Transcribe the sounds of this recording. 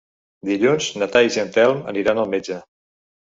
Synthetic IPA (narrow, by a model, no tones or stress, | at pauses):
d̪iʎunznət̪aiʒənt̪ɛlˠmə̰niɾanəlˠmed͡ʒə